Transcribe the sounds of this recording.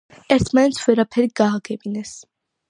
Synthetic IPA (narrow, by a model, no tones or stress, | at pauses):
ɛɾt̪ʰmanɛt̪sʰvɛɾapʰɛɾiɡ̥aːɡɛbinɛs